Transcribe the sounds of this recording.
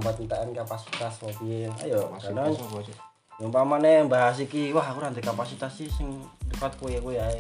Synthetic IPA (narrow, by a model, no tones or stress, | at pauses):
mbat̪nt̪aʔankapasit̪asɔpia̰jɔkdaŋ | məmpamanɛbaɦas̬ikiwaɦkuɾant̪ɛkapasit̪asisiŋdəkat̪̚kujakuja